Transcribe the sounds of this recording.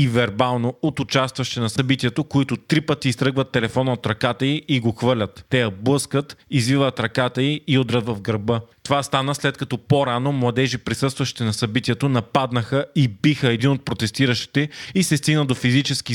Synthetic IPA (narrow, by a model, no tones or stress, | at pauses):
ivɛɾbalˠnoot̪ʊt͡ʃast̪vɐʃt̪ɛnɐsɐbit̪iɛt̪okoit̪ʊt̪ɾipət̪iːst̪ɾɤɡvət̪ːɛlɛfɔnɐot̪ɾɐkat̪əiːɡoxvəlʲɐt̪ːɛjɐblˠɤskət̪izvivət̪ɾɐkat̪əiiod̪ɾət̪vɐvɡɾɐbɤt̪ovast̪anəslɛt̪̚kɐt̪ɔpoɾanomlˠɐd̪ɛʒipɾisɤst̪vɐʃi̥t̪ɛnɐsɐbit̪iɛt̪onɐpad̪nəxəibixəɛd̪inot̪̚pɾot̪ɛst̪iɾəʃt̪i̥t̪ɛisɛst̪iɡnəd̪ofizit͡ʃɛsk̟i